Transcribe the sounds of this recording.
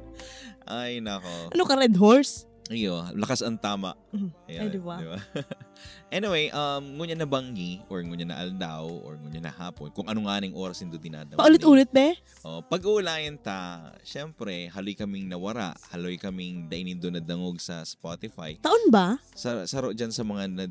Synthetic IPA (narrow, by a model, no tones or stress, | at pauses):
ʔajnɐɐkoɐnokɐɾɛd̪ɦoɹs | ʔɪjolɐkasɐŋt̪aːmɐ̰ʔɐjod̪bd̪ɪba | ʔɛnɪwejʔɐmŋʊɲanɐbɐŋɡiʔoɹŋʊɲanɐ̰ʔɐld̪awʔɔ̰ɹŋʊɲanɐ̰haːponkʊŋʔɐnoŋʔaːnɪŋʔo̞ːɾɐsɪnd̪od̪ɪna̰ːd̪ɐpɐʔʊlɪt̪ʔuːlɪt̪̚bɛ | ʔoʔpɐɡulaːjɐnt̪ɐʃɛmpɾɛhɐlojkɐmɪŋnɐwɐɾa̰ʔhɐlojkɐmɪŋd̪ɐʔɪnɪnd̪onɐd̪ɐŋoɡ̚sɐspot̪ɪfa̰jt̪ɐʔonba | sɐsɐɾoʔd͡ʒɐnsɐmɐŋanɐ